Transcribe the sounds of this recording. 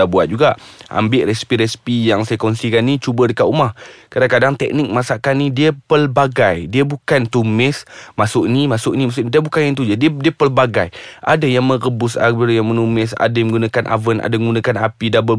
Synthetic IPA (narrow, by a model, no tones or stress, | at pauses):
abuat̪̚d͡ʒuɡaʔʔa̰mbɪʔrɛsi̥piɾɛsi̥pijaŋsajakɔnsikanːit͡ʃubədəkat̪umahkaɾakadaŋt̪ɛ̰k̚nɪk̚masaʔkanidiəpəlbaɡajdiabukant̪umɪsmasʊʔnimasʊʔnimas̬ʊʔnidiabukanjaŋt̪ud͡ʒadiədiəpəlbaɡajʔa̰dajaŋmə̃rəbʊsa̰bərjaŋmənumɪs̬a̰daməŋɡunakanʔa̰vəna̰daɡunãkanapidanbə